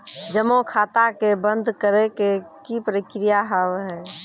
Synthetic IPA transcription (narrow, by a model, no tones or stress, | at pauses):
d͡ʒəmokʰaːt̪akebənd̪ʱkəɾekekipɾikɾijaɦəwɦɛː